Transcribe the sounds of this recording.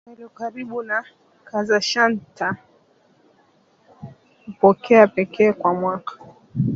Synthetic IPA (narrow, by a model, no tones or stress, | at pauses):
aɾiɔkaɾiɓuna | kazaʃanta | upɔkʰɛapɛkʰɛːkwamwakḁ